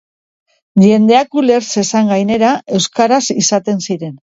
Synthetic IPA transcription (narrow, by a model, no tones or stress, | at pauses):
ʝe̞nd̪e̞akule̞ɾse̞saŋɡajne̞ɾae̞wskaɾasisat̪e̞nsiɾe̞n